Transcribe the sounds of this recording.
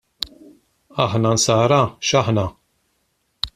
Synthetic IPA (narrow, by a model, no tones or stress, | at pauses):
ɐħnɐnsɐːɾɐʃɐħnɐ